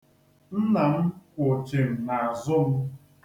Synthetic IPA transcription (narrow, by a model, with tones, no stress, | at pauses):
n̩˦na˨m̩˦kʷo˨t͡ʃe˨m̩˨na˨a˨zʊ˦m̩˦